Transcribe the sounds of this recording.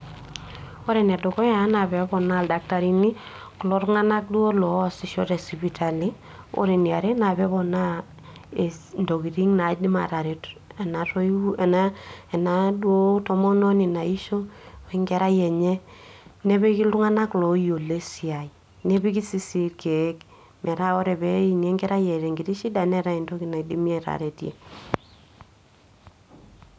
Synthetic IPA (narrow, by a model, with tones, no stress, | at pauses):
o˦ɾɛ˨nɛ˨dɔ˨kɔ˦ja˨˦na˨bɛ˨˦bɔ˨na˦˨lda˨k̚ta˨ɾi˦ni˦ | ku˨lɔ˨˦ɾŋa˦na˦k̚du˦o˦lɔ˨si˨ʃɔ˦te˨si˨pi˨ta˨li˦ | o̰˦ɾe˨ni˨a˨ɾe˦na˨bɛ˦bɔ˨na˦˨ | ndo˨ki˨ɾi˦ŋna˨di˦ma̰˨ta˨ɾe˨tɛ˨na˨tɔ˦ɛ˨na˦ɛ˨na˨dwo˦tɔ˦mɔ˦nɔ˦ni˨na˨i˦ʃo˦e˨ŋɡɛ˦ɾa˦jɛ˨ɲɛ˦ne˦βe˦ki˦lu˦ŋa˦na˦klo˨jo˨le˦si˨a˨i˨ | ne˦bi˦ki˦si˦si˦ɾkʰe˨˦k | mʔɛ˨ɾa˦ɔ˦ɾɛ˨bɛ˦i˨ɲe˨˦ŋɡɛ˦ɾa˦jɛ˨ɾe˨ŋɡi˨ɾi˦ʃi˦da˨nɛ˦ɾa˦i˨ndo˦ki˦na˨i˨di˦mi˦e˨ɾa̰˨ɾe˨tjḛ˨